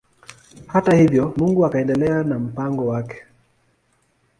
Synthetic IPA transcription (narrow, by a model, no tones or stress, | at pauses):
hatahivjɔmuŋɡuakaɛndɛlɛanam̩paŋɡɔwakɛ̥